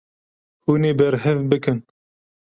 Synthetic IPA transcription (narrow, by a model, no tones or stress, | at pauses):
huːneːbɛɾɦɛvbɨkɨn